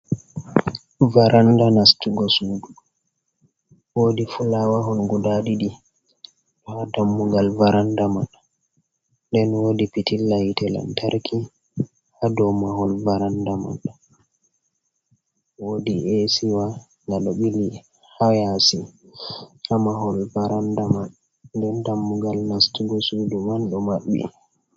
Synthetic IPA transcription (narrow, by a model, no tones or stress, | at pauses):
vaɾandanastuɡɔsudu | wodifulawaɦɔnɡudaɗiɗi | ɗɔhadamːuɡalvaɾandaman | dɛnwoːdipitilːajtɛla̰ntʰaɾkʰi | hadɔmaɦɔlvaɾandama̰n | wodiesiwa | naɗɔɓili | hajasi | hamaɦɔlvaɾandamanː | dɛndamːuɡalnastuɡɔsudumanɗɔmaɓːḭ